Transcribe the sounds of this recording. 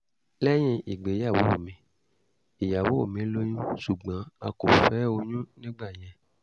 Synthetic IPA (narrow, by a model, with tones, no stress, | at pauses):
lɛ˦j̃ĩ˧i˨ɡ͡be˨˦a˦˨wo˨˦o̰˦˨mĩ˨˧˦ | i˨ja˨wo˨˦o̰˦˨mĩ˨˦lo˦ɲũ˦su˨ɡ͡bã˨˦a̰˧ko˨fɛ˨˦o˧ɲũ˦nĩ˦ɡ͡ba˦˨j̃ɛ̃˧